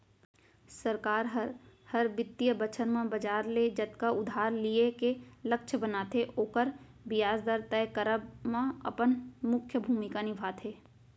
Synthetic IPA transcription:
səɾkaːɾɦəɾhəɾbɪt̪ːijəbət͡ʃʰənmãbɐd͡ʒaːɾled͡ʒɐt̪kaʊd̪ʱaːɾliekelɐkʃʰəbənaːt̪ʰeʔoːkəɾ | bɪjaːzd̪əɾt̪ɛkəɾəbmãɐ̰pənmʊkʰjəbʱuːmɪkanɪbʱaːt̪ʰeː

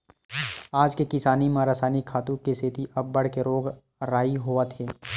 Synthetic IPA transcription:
aːd͡ʒkekɪsaːnimãɾasaːnikʰːaːt̪ũkeset̪iʔɐbːɐɽ̤keɾoːɡ | ɾaːiɦoat̪ʰeː

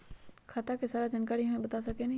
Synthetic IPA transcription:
kʰat̪akesaːɾad͡ʒɐnkaːɾiɦamẽbɐt̪asɐken

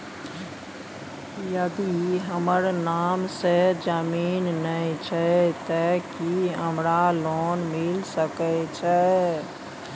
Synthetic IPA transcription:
jəd̪iɦəməɾnamsed͡ʒəminːəjt͡ʃʰɛt̪əkiɦəmɾalɔnmilsəkɛt͡ʃʰɛ

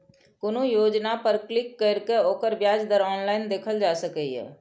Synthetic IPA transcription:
konojoːd͡ʒnapəɾklɪkːəɾkeoːkəɾbjaːd͡ʒd̪əɾɔːnlaːɪnd̪eːkʰəld͡ʒaːsəkəiɦɛ̰ː

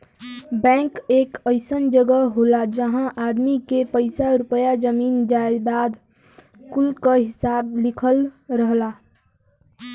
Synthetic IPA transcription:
bɛ̃ːŋkeːkəɪsənd͡ʒəɡəɦɦoːlad͡ʒəɦãʔaːd̪mikepəɪsaɾʊpəjad͡ʒəmiːnd͡ʒaːebaːd̪ | kʊlkaɦɪsaːblɪkʰəlɾəɦla

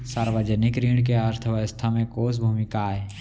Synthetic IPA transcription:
saːɾʋəd͡ʒənɪkɾiːɳk̬eəɾt̪ʰəʋəʋəst̪ʰamẽkoːs̬bʱuːmɪkaɦɛː

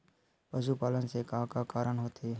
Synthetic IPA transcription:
pəzuːpaːlənsekãːkaːkaːɾəɳɦoːt̪ʰeː

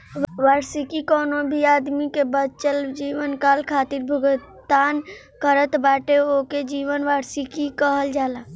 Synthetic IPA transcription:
ʋaɾsikikonobʱiad̪mikebət͡ʃəld͡ʒiʋənkalkʰat̪iɾbʱuɡ | t̪an | kəɾət̪baʈeoked͡ʒiʋənʋaɾsikikəɦəld͡ʒala

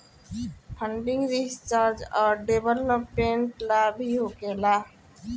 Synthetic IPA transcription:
pʰə̃ɳɖɪ̃ŋɡɾist͡ʃaːɾd͡ʒɔːɾɖeːbəlmõpẽːɳʈlaːbʱiɦoːkeːlaː

